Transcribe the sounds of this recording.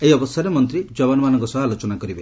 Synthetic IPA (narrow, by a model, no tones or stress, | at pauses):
eɦiɔbɔst̪ʰaɾemɔnt̪ɾid͡ʒɔbɔnɔmanɔŋkɔsɔbaalot͡ʃɔnakɔɾibe